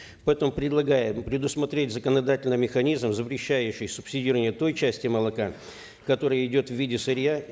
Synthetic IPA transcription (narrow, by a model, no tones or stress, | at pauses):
pɐɛt̪əmʊpɾʲɪd̪lˠɐɡajɪpɾʲɪd̪ʊsmɐt̪ɾʲet̚ʲzəkənɐd̪atʲɪlʲnɨjmʲɪxɐnʲizmzəpɾʲɪɕːæjʉɕːɪjsʊpsʲɪdʲirɾəvənʲjət̪o̞jt͡ɕæsʲtʲɪməlˠɐka | kɐt̪o̞ɾəjəɪdʲo̞t̪vvʲidʲɪsɨɾʲja